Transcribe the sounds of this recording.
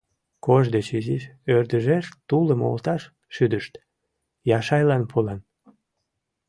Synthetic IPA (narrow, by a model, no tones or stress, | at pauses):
koʒd̪et͡ɕiziʃørd̪əʒeʃt̪uləmo̰lt̪ɑʃ | ʃyd̪əʃt̪ | jɑʃɑjlɑnpʰolɑn